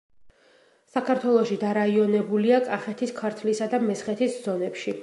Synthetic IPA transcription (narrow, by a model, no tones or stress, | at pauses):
sakʰaɾt̪ʰwɛlˠɔʃid̪aɾaiɔnɛbuliakʼaχɛt̪ʰiskʰaɾt̪ʰlisad̪amɛsχɛt̪ʰiszɔnɛpʃi